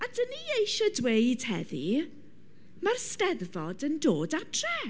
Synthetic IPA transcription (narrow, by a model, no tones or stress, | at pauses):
adəniːejʃədwejd̥hɛði | marstɛðvɔdəndoːdatʰrɛ